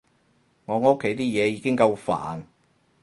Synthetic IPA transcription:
ŋɔː˨˧ŋ˦˥kʰːe˨˥jt̪iː˥jɛː˨˧jiː˨˧kɪ˥ŋkɐ˧wfa̰ː˨˩n

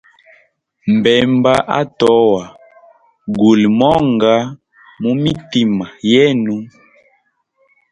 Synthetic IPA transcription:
m̩˨bɛ˨mba˦ʔa̰˦tɔ˨˦wa˨ | ɡu˨lmɔ˦ŋɡa˦ | mu˦mi˦ti˦ma˨jɛ˦nu˦

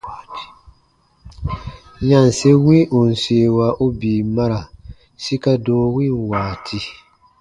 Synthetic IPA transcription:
ɲa˨n˨se˦wĩ˦ʔu˨n̩˨seː˨wa˦ʔo˦biː˨ma˦ɾa˨ | si˦ka˦doː˦wĩ˦nwaː˨tʰi˦

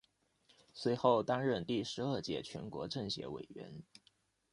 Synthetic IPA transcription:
swe˧˥ɪxo˥˩ʊt̪a˥nɻə˥˧nt̪i˥˩ʂɻ̩˧˥ə˞˥˧˩t͡ɕjɛ̰˥˩t͡ɕʰɥɛ̰˧˥nkwɔ̰˧˥ʈ͡ʂɤ˥˩ŋɕjɛ̰˧˥wḛ˨˩ɪɥɛ̰˧˥n

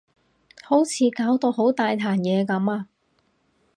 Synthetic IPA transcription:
ho˨˥wt͡sʰiː˨˧kaː˨˥wt̪o˧wɦo˨˥wt̪aː˨jt̪ʰaː˨˩njɛː˨˧kɐ˨˥maː˧

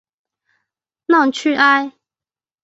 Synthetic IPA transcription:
nɑ˥˨ŋt͡ɕʰy˥˨ʔa˦ɪ

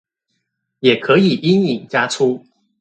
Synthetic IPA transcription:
jɛ˨˩kʰɤ˧˥i˨˩ʔi˥ŋi˨˩ŋt͡ɕja˥ʈ͡ʂʰu˥

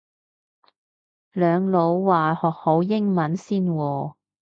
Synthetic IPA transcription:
lœː˨˧ŋlo˨˧˥wwaː˨˩hɔː˨˩k̚ho˨˧˥wjɪ˥ŋmɐ˨˥nsiː˥nwɔː˧

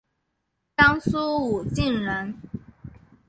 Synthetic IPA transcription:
tɑ˥ŋsu˥u˨˩t͡ɕi˥˩nɻə˧˥n

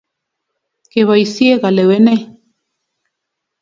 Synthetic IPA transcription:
keβa˨isie˦ɣa˨le˨we˦ne˦

